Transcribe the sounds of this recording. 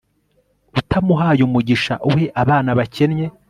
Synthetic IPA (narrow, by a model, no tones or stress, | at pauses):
utamuɦaːjumuɟiʃa̰ʔuhe̞ʔaβaːnaβace̞nɲe̞